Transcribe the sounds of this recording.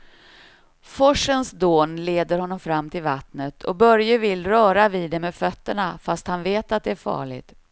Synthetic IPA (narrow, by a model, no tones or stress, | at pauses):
fɔʂənsd̪oːnleːd̪əɾhɔnːɔmfɾamːt̪ʰɪlvat̪nət̪ʰɔ̰bœɾjəvɪlɾœːɾavid̪ɛmeːd̪fœt̪ːəɳafast̪hanveːt̪at̪̚d̪ɛæɾfɑ̰ːɭɪ̰ɡt̪